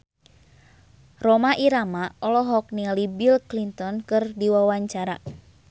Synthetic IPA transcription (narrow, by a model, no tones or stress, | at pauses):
rɔmaʔiɾamaɔlɔɦɔk̚nialibilklint̪ɔnkɨrdiwawaɲt͡ʃaɾa